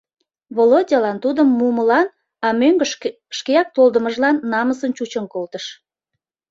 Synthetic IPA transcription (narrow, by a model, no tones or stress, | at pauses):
βolodʲɑlɑnt̪ud̪əmːuməlɑn | ɑmøŋɡə | ʃkeɑk̚t̪old̪əməʒlɑnːɑməsənt͡ɕut͡ɕənkolt̪əʃ